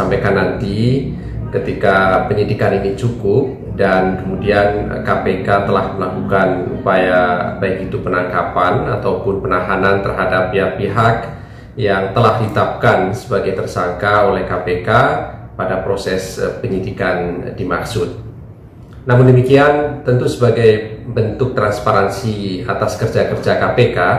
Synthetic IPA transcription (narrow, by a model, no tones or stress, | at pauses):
sampajkanːant̪i | kət̪ikapəɲidikaninit͡ʃukʊp̚ | dankəmudian | kapekat̪əlahməlakukanṵpajabaɪkit̪upənaŋkapanat̪awpʊnpənaɦanant̪ərɦadapːiapːiɦak | jaŋt̪əlahdit̪ap̚kansəbaɡajt̪ərsaŋkaolɛhkapekapadapɾosɛspəɲidikandimaksʊt̪̚ | namʊndəmikiant̪ənt̪usəbaɡajbənt̪ʊk̚t̪ɾanspaɾansiat̪askərd͡ʒakərd͡ʒakapeka